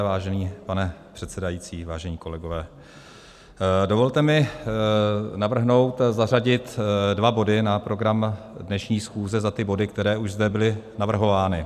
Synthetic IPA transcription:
vaːʒɛniːpanɛpr̥ɛt̪sɛdajiːt͡siːvaːʒɛɲiːko̞lɛɡo̞vɛː | do̞vo̞lt̪ɛmɪ | navr̩ɦno̞wt̪zaraɟɪt̪dvabo̞dɪnapɾo̞ɡɾamdnɛʃɲiːsxuːzɛzat̪ɪbo̞dɪk̚t̪ɛɾɛːʔuʒzdɛbɪlɪnavr̩ɦo̞vaːnɪ

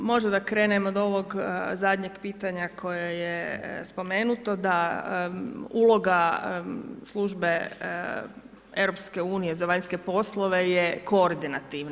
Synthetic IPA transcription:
mo̞ʒmd̪akɾe̞ːnemod̪o̞ʋoɡzad̪ɲeɡpiːt̪aɲakʰo̞jajespo̞meːnut̪od̪a | uːlˠo̞ɡa | slˠuʒbe̞ | e̞ʋɾopske̞uːnije̞zaʋaɲske̞po̞slˠoʋe̞jekooɾd̪inat̪iʋn

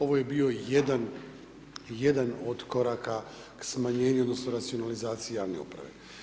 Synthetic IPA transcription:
o̞ʋo̞je̞biːo̞jed̪an | je̞d̪anod̪ko̞ɾaka | ksmaɲe̞ːɲuod̪no̞snoɾat̪sio̞nalizaːt̪sijejaːʋne̞̰ṵpɾa̰ʋe̞̰

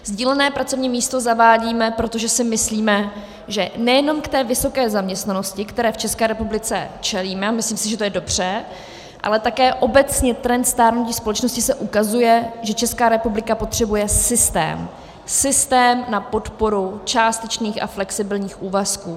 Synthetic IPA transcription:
zɟiːlɛnɛːpɾat͡so̞vɲiːmiːst̪o̞zavaːɟiːmɛpɾo̞t̪o̞ʒɛsɪmɪsliːmɛ | ʒɛnɛjɛno̞mkt̪ɛːvɪso̞kɛːzamɲɛst̪nano̞scɪkt̪ɛɾɛːft͡ʃɛskɛːɾɛpublɪt͡sɛ̰t͡ʃɛliːmɛamɪsliːmsɪʒɛt̪ojɛdo̞br̝̥ɛ | ʔa̰lɛt̪akɛːʔo̞bɛt͡sɲɛt̪ɾɛnt̪st̪aːɾnuciːspo̞lɛt͡ʃno̞scɪsɛʔukazujɛʒɛt͡ʃɛskaːɾɛpublɪkapo̞t̪r̝̥ɛbujɛsɪst̪ɛ̰ːm | sɪst̪ɛːmnapo̞t̪po̞ɾut͡ʃaːst̪ɛt͡ʃniːxa̰flɛksɪbɪlɲiːxʔuːvaskuː

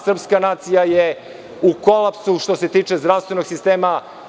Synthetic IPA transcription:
sr̩pskanaːt̪sijaje | uko̞lˠapsuʃt̪o̞se̞t̪iːt͡ʂe̞zd̪ɾaʋst̪vʋe̞noɡsist̪eːma

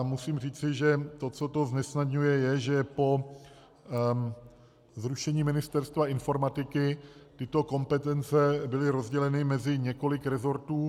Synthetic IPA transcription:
musiːmr̝iːt͡sɪʒɛt̪o̞t͡so̞t̪o̞znɛsnad̪ɲujɛjɛʒɛpo̞ | zɾuʃɛɲiːmɪnɪst̪ɛɾst̪vaʔɪnfo̞ɾmat̪ɪkɪt̪ɪt̪o̞ko̞mpɛt̪ɛnt͡sɛbɪlɪɾo̞zɟɛlɛnɪmɛzɪɲɛko̞lɪkɾɛzo̞ɾt̪uː

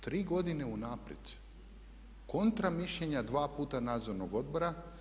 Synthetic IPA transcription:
t̪ɾiːɡo̞d̪ine̞unaːpɾjed̪ | ko̞nt̪ɾamiʃʎeɲad̪ʋaːpuːt̪anaːd̪zoɾnoɡo̞d̪̚bo̞ɾa

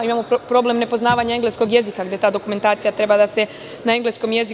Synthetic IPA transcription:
imaːmopɾo̞ble̞mne̞po̞znaːʋaːɲae̞ŋɡle̞sko̞ɡje̞zikaɡd̪e̞t̪aːd̪o̞kume̞nt̪aːt̪sijat̪ɾe̞bad̪ase̞ | nae̞ŋɡlesko̞mje̞zi

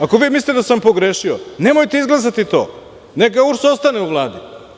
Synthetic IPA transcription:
ako̞ʋiːmisʲit̪ed̪asampo̞ɡɾeːʃione̞mojt̪eizɡlˠas̬at̪it̪o̰ː | nekauɾsost̪aneuʋlˠaːd̪i

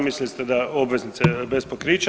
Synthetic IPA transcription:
mislist̪ed̪ao̞bʋe̞znit̪sebespokɾiːt͡ʃ

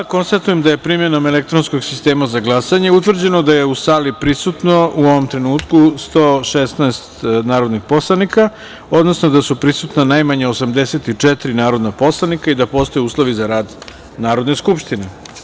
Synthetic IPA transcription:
ako̞nst̪at̪ujemd̪aje̞pɾimje̞nomelek̚t̪ɾonsko̞ɡsist̪eːmazaɡlˠasaɲe̞ut̪ʋr̩d͡ʑe̞no̞d̪aje̞usaːlipɾisut̪no̞uo̞ʋomt̪ɾe̞nuːt̪kust̪oːʃest̪naest̪naːɾo̞d̪nixpo̞slˠanika | o̞d̪no̞snod̪asupɾisut̪nanajmaɲaosamd̪eset̪it͡ʂɛt̪ɾinaːɾo̞d̪napo̞slˠanikaid̪apo̞ːst̪o̞jɛuːslˠo̞ʋizaɾaːd̪ | naːɾo̞d̪neskupʃt̪ine

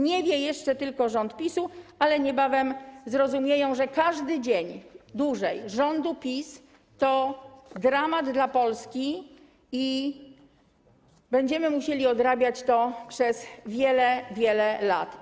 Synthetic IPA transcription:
ɲɛvʲjɛjɛʂt͡ʂɛt̪ɘlkɔʐɔnt̪pʲisualɛɲɛbavɛmzɾɔzumʲjejɔ̃w̃ʐɛkaʐd̪ɘd͡ʑeɲd̪wuʐɛjʐɔnd̪upʲis | t̪ɔd̪ɾamad̪d̪lapɔlskʲi | i | bɛɲd͡ʑɛmɘmuɕelʲiɔd̪ɾabʲjat͡ɕt̪ɔpʂɛzvʲjɛlɛvʲjɛlɛla̰t̪

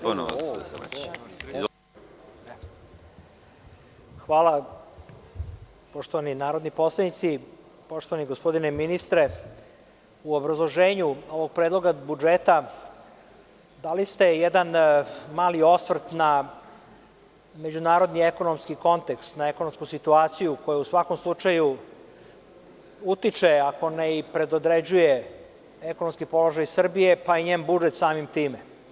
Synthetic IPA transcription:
n̰ | xʋaːlˠa | poʃt̪oʋaninaːɾod̪nipo̞slˠed̪nit̪si | po̞ʃt̪oʋaniɡospo̞d̪ineminist̪ɾe | uobɾazlˠoʒeːɲuo̞ʋoɡ̚pɾed̪lˠo̞ɡabud͡ʒeːt̪a | d̪alist̪e̞jɛd̪anmaːlio̞sʋr̩t̪na | me̞d͡ʑunaːɾo̞d̪nieko̞nomskiko̞nt̪ekst̪nae̞ko̞nomskusit̪uaːt̪sijuko̞jausʋako̞mslˠut͡ʂaju | ut̪it͡ʂeako̞neipɾe̞d̪od̪ɾed͡ʑuje | eko̞nomskipo̞lo̞ʒajsr̩bije̞paiɲeːmbud͡ʒet̪saːmimt̪iːme

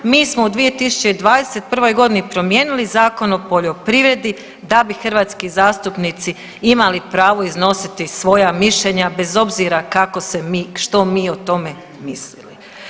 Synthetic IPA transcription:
miːsmoud̪ʋije̞t̪isu̥t͡ɕe̞d̪ʋaːd̪e̞set̪̚pr̩ʋo̞jɡo̞d̪inipɾo̞mje̞ːnilizaːko̞no̞po̞ʎo̞pɾiʋɾe̞d̪i | d̪abixr̩ʋaːt̪skizaːst̪upnit̪si | imalipɾaːʋo̞izno̞sit̪isʋo̞jamiʃʎeɲabe̞zo̞bziːɾakako̞semiːʃt̪o̞miːo̞t̪o̞me̞ | mislḭli

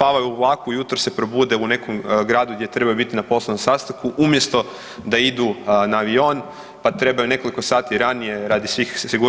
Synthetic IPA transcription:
paʋajulˠaːkujut̪ɾose̞pɾobuːd̪eune̞komɡɾaːd̪uɡd̪je̞t̪ɾe̞bajubit̪inapo̞slˠenomsast̪aŋkuʔumje̞st̪o̞ | d̪aid̪unaːʋio̞ːn | pat̪ɾe̞bajune̞ko̞liko̞saːt̪iɾanije̞ɾad̪isʋiːxsiɡu

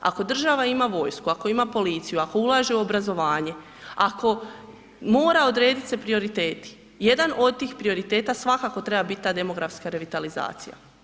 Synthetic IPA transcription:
a̰ko̞d̪r̩ʒaʋaimaʋo̞ːjskuako̞imapo̞lit̪sijuako̞ulˠaʒe̞uobɾazo̞ʋaːɲe̞ | akʰo̞ | mo̞ːɾao̞d̪ɾeːd̪it̪se̞pɾio̞ɾit̪eːt̪i̥ | je̞d̪ano̞d̪̚t̪iːxpɾio̞ɾit̪e̞ːt̪asʋakako̞t̪ɾe̞babit̪̚t̪ːaːd̪e̞mo̞ɡɾafskaɾe̞ʋit̪aliza̰ːt̪sija̰

